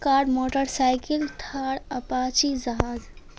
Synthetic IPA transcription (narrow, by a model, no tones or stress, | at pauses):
kaːɾɖmoːʈəɾsaɪkɪlt̪ʰaːɽɐpaːt͡ʃid͡ʒɐɦaːz